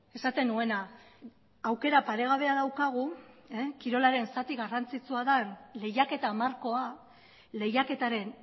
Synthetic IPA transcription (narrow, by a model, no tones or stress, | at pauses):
e̞sat̪e̞nue̞na | awke̞ɾapaɾe̞ɣ̞aβ̞e̞aðawkaɣ̞u | kiɾo̞laɾe̞nsat̪iɣarant͡sit͡suaðanle̞jake̞t̪aːmaɾko̞a | le̞jake̞t̪aɾe̞n